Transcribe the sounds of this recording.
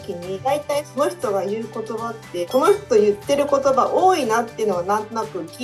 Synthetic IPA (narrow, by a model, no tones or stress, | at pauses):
kʲiɲ̟id̪ait̪aiso̞no̞çi̥t̪o̞ɡajɯ̟ːko̞t̪o̞bat̪ːe̞ko̞no̞çʲtt̪o̞jɯ̟t̪ːe̞ɾɯ̟ko̞t̪o̞baʔo̞ːinat̪ːe̞jɯ̟noɡanãnt̪onakɯ̟kʲi